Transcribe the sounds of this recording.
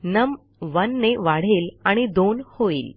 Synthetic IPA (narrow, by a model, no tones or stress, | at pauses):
nəm | ʋənːeʋaɽ̤elaɽ̃id̪onhoḭːl